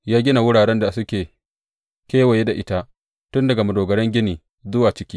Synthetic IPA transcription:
jaː˦ɡʲɪ˦na˨wʊ˦ɽaː˨ɽɛ˦nda˨sʊ˦kʲeː˨ | kʲeː˦we˨je˦da˨ʔɪ˦ta˦ʔ | tʊ˦ndɐ˨ɡa˨mɐ˨doː˨ɡɐ˨ɽɛ˦ŋɡʲɪ˦niː˨ | zʊ˦waː˨t͡ʃɪ˦kʲiː˦

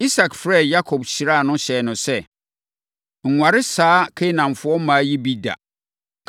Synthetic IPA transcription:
i˦sa˨kfɾɛ˦˨ja˦kʰɔ˨bɕi˨ɾa˦˨nʊ̃˦ɕɛ˨nʊ̃˨sɛ˦˨ | ŋ̩˨ŋʷa˨ɾɪ˦saː˦kʰe˦nã˨m˨fʊ˦ɔ˦mãː˨˦ji˦bi˦da̰˨

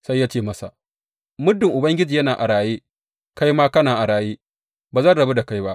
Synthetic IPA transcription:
sa˦jːaː˦t͡ʃeː˦˨mɐ˦sa˨ | mʊ˦dːɪ˨ŋʔʊ˨bɐ˦ŋɡʲɪ˦d͡ʒiː˨jɐ˦naː˨ʔa˨ɽaː˨jeː˦ | ka˦jmaː˦kɐ˦naː˨ʔa˨ɽaː˨jeː˦ | baː˨zɐ˦˨nɽɐ˨be˦da˨ka˦jba˦ʔ

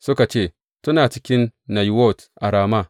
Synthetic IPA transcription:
sʊ˦ka˨t͡ʃeː˦˨ | tu˦naː˨t͡ʃi˦kʲɪ˦nːa˨jwo˦˨tʔa˨ɾaː˨ma˦˨

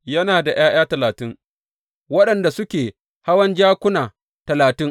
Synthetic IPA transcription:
jɐ˦naː˨da˨j̰aː˦j̰aː˦tɐ˨laː˨tɪ˦ŋ | wɐ˦ɗɐ˨nda˨sʊ˦kʲeː˨ | ha˦wɐ˦nd͡ʒaː˦kʷʊ˦naː˨ | tɐ˨laː˨tɪ˦ŋ

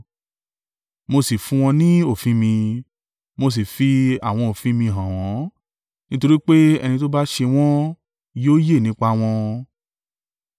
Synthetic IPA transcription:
mo˧si˨fũ˦w̃ɔ̃˧nĩ˦o˦˨fĩ˨˦mĩ˧ | mo˧s̬i˨fi˧a˨w̃ɔ̃˧o˨fĩ˨˦mĩ˧ɦã˨w̃ɔ̃˨˦ | nĩ˦to˧ɾi˦k͡pe˦ɛ̰˧nĩ˧to˦ba˦ʃe˧w̃ɔ̃˦ | joː˦je˦˨nĩ˨˦k͡pa˧w̃ɔ̃˧

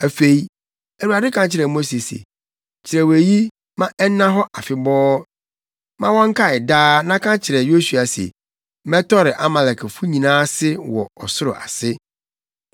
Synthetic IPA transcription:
æ˨fe˨i˨ | æ˨wu˨a˨dɪ˦kʰã˦t͡ɕʰɪ˨ɾɛ˨mo˦se˨sḛ˨ | t͡ɕʰɪ˨ɾɛ˨we˨ji˦ | mã˦ʔɛ˦nːã˦ɦɔ˦ʔa˨fɪ˨bɔː˦ | mã˦wɔ̃˦ŋ̩˦kʰa˦ɪ˨daː˦nã˦kʰã˦t͡ɕʰɪ˨ɾɛ˨jo˦su˨a˨sḛ˨ | mɛ˦tʰɔ˦ɾɪ˨ʔa˦ma˨lɛ˨kʰfu˦ɲĩ˨nãː˦sɪ˦wɔ̰˨ɔ˨sʊ˦ɾʊ̰˨ʔa̰˨sɪ˦

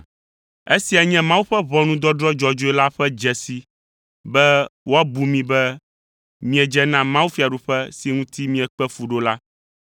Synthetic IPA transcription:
e˦si˨a˨ɲɛ̃˦mã˦wu˦ɸɛ˦βɔ˦nũ˦d̪ɔ˦dɾɔ˦d͡ʒɔ˦d͡ʒo˨˦ɛ˦la˦ɸɛ˦d͡ʒɛ˨si˨ | bɛ˦wo˦a˦bu˨mĩ˦bɛ˦ | mĩ˦ɛ˨d͡ʒɛ˦nã˦mã˦wu˦fi˨a˨ɖu˨ɸɛ˦si˨ŋũ˦t̪i˦mĩ˦ɛ˨k͡pɛ˦fu˨ɖo˦la˦

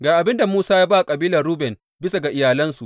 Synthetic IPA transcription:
ɡaː˨ʔa˨bɪ˦nda˨muː˦saː˦jaː˦baː˦˨kʼɐ˨biː˦lɐ˨rɾuː˦bɛ˨n | bɪ˦sa˨ɡa˨ʔɪ˨jaː˨lɐ˦nsu˨ʔ

